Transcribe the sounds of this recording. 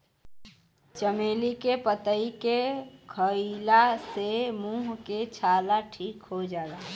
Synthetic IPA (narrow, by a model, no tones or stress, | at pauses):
t͡ʃəmelikepət̪əikekʰəɪlasemũɦket͡ʃʰaːlaʈʰiːkɦod͡ʒaːɡa